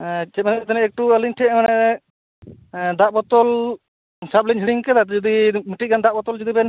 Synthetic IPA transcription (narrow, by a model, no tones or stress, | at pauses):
t͡ʃʰɛt̚manɛt̪anɛɛk̚ʈuəliɲʈʰɛmanɛ | d̪aʔbɔt̪ɔl | sap̚liɲɦiɽiŋkɛd̪ad͡ʒɔd̪imiʈiɡand̪aʔbɔt̪ɔld͡ʒɔd̪ibɛn